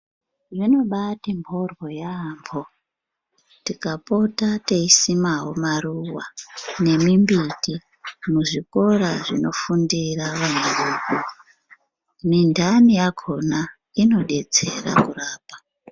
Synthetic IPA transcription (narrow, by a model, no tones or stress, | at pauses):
ʐino̞ɓatimbʱorwo̞jaːmbo | tikapo̞tate̞isimaɦo̞maruwa̰ne̞mimbiti | muʐiko̞raʐino̞fundiraʋanuruːku | mindʱanijaɡʱo̞na | ino̞ɗe̞d͡zḛra̰kuraːpḁ